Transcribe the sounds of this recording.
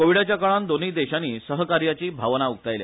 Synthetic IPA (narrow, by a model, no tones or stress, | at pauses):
koʋiɽat͡ɕjakəɭand̪oniːd̪eɕaniːsəɦəkaɾjat͡ɕiːbʱaʋnauk̚t̪ajlj̰